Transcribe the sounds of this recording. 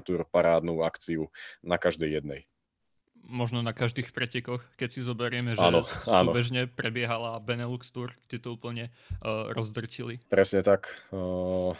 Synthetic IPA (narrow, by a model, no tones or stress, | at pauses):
t̪uːɾpaɾaːd̪nuːakt͡siunakaʒd̪ɛjːɛd̪nɛj | mɔʒnɔnakaʒd̪iːxpɾɛcɛkɔxkɛcsizɔbɛɾɪɛmɛʒɛnɔsaːnuːɔbɛʒɲɛpɾɛbɪɛɦalabɛnɛlukst̪uːrɡ̥ɟɛt̪ɔuːpl̩ɲɛ | ɾɔzd̪r̩cilipɾɛsɲɛt̪ak